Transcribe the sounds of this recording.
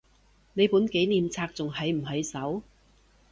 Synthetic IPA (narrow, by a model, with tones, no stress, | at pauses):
ne˨˧jpuː˨˥nke˨˥jniː˨mt͡sʰaː˧k̚t͡sʊ˨ŋɦɐ˨jm̩˨˩ɦɐ˨˧jsɐ˨˥w